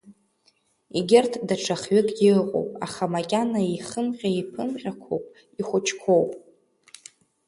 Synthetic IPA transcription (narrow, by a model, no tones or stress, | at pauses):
iɡʲɪrtʰdaʈ͡ʂʰaχɥɪkʼɪlqʼo̰wpʼaχamakʲʼanaiχəmqʲaipʰɨmqʲʼakʷʰowpʼ | iχʷʊt͡ʃʰkʷʰowpʼ